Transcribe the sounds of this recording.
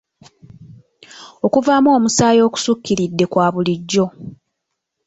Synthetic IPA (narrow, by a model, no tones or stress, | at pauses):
o̞kuvaːmoːmusaːjo̞ːku̥sukːiɾidːe̞kwaːβuliɟːo̞